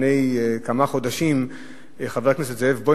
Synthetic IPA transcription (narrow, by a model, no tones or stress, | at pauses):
nejkamaχod̪aʃim | eχaveʁaknes̬et̪zeevbo